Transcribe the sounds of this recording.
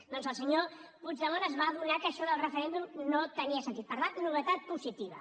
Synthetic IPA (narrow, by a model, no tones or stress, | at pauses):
d̪̥ɔnzəlˠsəɲopud͡ʒðəβonəzβaːðunakəʃɔðəlˠrəfəɾend̪umnot̪əniəsənt̪it̪pəɾlanuβət̪at̪̚puzit̪iβə̰